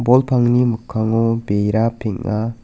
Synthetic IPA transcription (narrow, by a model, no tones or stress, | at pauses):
bɔlpʰaŋnimɯkʰːaŋɔbejɾapʰiŋa